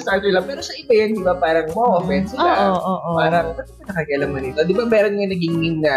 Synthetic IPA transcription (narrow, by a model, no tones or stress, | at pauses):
st̪at̪ʊlɐpɛːɾoʃaʔɪbɐjɐnd̪ɪbapaːɾɐŋmɐʔoːfɛnsɪaoʔoːʔpaːɾɐpɐt̪kɐnɐkɐkɛʔɐlɐmɐnɪt̪o̞d̪ɪbamɛːɾonŋɐnɐɡɪŋɪŋɐ